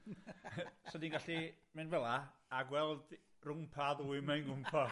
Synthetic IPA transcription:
sɔdinɡaɬi | mɨnvɛlˠaːɡwɛlˠd | rʊmpʰaðuɨmajnɡʊmpʰɔ

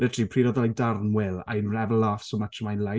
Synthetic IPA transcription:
ətʰipʰriɾɔðɔlˠadarnwɪla̰jnrɛvɛlˠːaːfsɔmatʰəmajnlˠaj

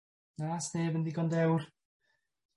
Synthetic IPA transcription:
naːsneːbəndiɡɔndɛwr

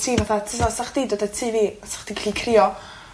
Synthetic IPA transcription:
tʰiːvaθatʰəsasaχd̥idodɛtʰiːviːasḁχd̥iɡɬikʰrɪɔ

